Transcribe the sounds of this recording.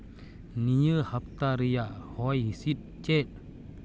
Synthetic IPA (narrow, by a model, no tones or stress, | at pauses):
nijəhap̚t̪aɾijahɔjɦisit̪̚t͡ɕet̪̚